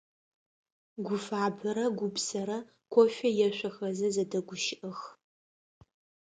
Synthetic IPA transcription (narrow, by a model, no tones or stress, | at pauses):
ɡʷʊfaːbɐɾɐɡʷʊbsɐɾɐ | kʷʰɔʃʷᶣɐjɛʃʷɐxɐzɐzɐdɐɡʷʊʃɪʔɐx